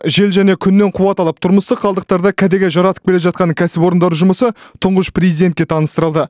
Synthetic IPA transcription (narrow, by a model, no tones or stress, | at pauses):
ʒe̞lʒæne̞kʲʰʏnːe̞ɴqʰuwɑt̪ɑlˠəp̚t̪ʰʊɾməst̪əqʰːɑlˠd̪əq̚t̪ɑɾd̪ɑkʲʰæd̪eɡʲeʒɑɾɑt̪ə̥q̚kʲe̞leʒɑt̪̚qɑnəkʲʰæsɪpo̞ɾənd̪ɑɾʒʊməsət̪ʰʊɴʁəʃpʰrʲezijd̪e̞nt̪̚kʲe̞t̪ʰɑnəst̪əɾəlˠd̪ə